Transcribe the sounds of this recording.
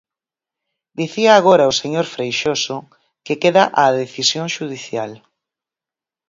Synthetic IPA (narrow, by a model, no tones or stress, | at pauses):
d̪iθiaːɣoɾaoseɲoɾfɾejʃosʊ | kekeðaʔaðeθisjoŋʃuð̞iθjal